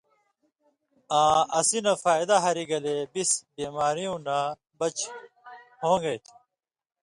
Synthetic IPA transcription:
ãːɐsinɐfaːjd̪aɦɐɾiɡɐlebisbiːmaːɾijũːna | bɐt͡ɕ | hõːŋɡɐjt̪ʰu̥

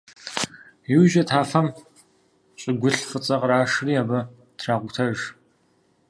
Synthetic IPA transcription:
jɪwʒɐtʰaːfɐm | ɕʼɪɡʷʊɬfət͡sʼɐqɾaːʂriːaːbɐ | tʰraːʁʷʊtʰɐʒ

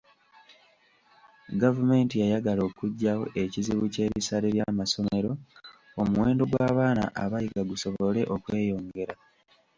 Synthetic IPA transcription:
ɡavume̞ːntijajaɡalo̞ːkuɟːawo̞̰ʔe̞ciziβuce̞ːβisaleβjamaso̞me̞ɾo̞ | omuwe̞ːndo̞ɡwaːβaːna̰ʔaβajiɡaɡuso̞βo̞le̞ʔo̞kwe̞ːjo̞ːŋɡe̞ɾa

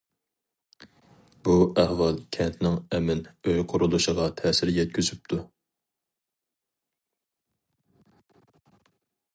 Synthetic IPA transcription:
buæhwɑlˠkʲʰɛnt̪ʰnɪŋɛmɪnøjqʰʊɾulˠuʃəʁɑt̪ʰɛːsɪɾjɛt̪̚kʲyzyp̚t̪ʰu

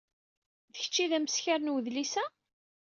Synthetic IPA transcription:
ðəçə̥t͡ʃːiðæməsçaɾnwəðlisæ

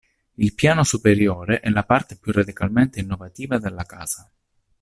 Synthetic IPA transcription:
ilpjaːnosupeɾjoːɾeʔɛlapart̪epjurːad̪ikalment̪einːovat̪iːvad̪elːaka̰ːz̥a

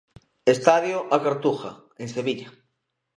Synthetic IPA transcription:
est̪aðjoʔakaɾt̪uxa̰ | ẽŋseβiʎa

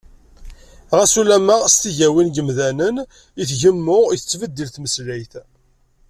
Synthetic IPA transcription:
ʁæsulæməʁst̪iʝæwinɡəmðænən | iθʝəmːʊʁθət͡sːvəd̪ːilθməslæjθ

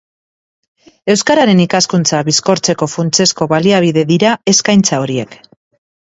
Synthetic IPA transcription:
e̞wskaɾaɾe̞nikaskunt͡saβisko̞ɾt͡se̞ko̞funt͡se̞sko̞βaliaβ̞iðe̞ðiɾae̞skajnt͡sao̞ɾie̞k

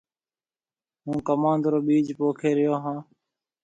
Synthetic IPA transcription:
ɦũːkəmãːnd̪ɾoːɓiːd͡ʒpoːkʰeːɾɪjoːɦãː

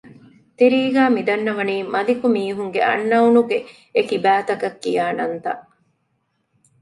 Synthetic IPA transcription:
t̪iɾiːɡæːmid̪ɐnːɐʋɐniːmɐlikumiːɦuŋɡeʔɐ̰nːɐunuɡe | ekibæːt̪ɐkɐkːijaːnɐnt̪ɐʔ

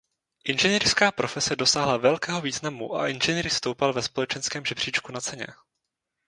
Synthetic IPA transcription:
ʔɪnʒɛniːrskaːpɾo̞fɛsɛdo̞saːɦlavɛlkɛːɦo̞viːznamuʔa̰ʔɪnʒɛniːɾst̪owpalvɛspo̞lɛt͡ʃɛnskɛːmʒɛbr̝̥iːt͡ʃkunat͡sɛɲɛ̰

